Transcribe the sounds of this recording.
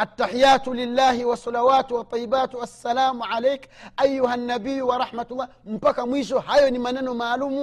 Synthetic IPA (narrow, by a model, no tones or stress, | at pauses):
ʔatːaħijaːtulilːaːhiwasˤɑlawaːtwat̪ˤːijːibatasːalaːmuʕalɛjkʔajːuɦanːabijuwaɾˤɑħmatulˤːaːm̩pakamwiʃɔhajɔnimanɛnɔmaːlumu